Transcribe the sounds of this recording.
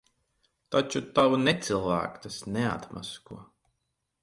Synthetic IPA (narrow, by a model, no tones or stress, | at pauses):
t̪at͡ʃut̪awnɛt̪silˠvæ̰ːkt̪asnɛa̰t̪ma̰skuɔ